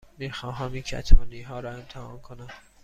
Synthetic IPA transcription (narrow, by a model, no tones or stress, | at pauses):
miːxɒːɦæmincʰæ̰t̪ʰɒːniːɦɒːɾɒːemt̪ʰehɒ̰ːmkʰonæm